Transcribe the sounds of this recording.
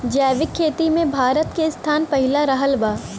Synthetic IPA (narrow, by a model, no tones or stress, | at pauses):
d͡ʒɛːʋɪkʰːeːt̪imẽbʱaːɾət̪kest̪ʰaːnpɐɦɪlaɾɐɦəlbaː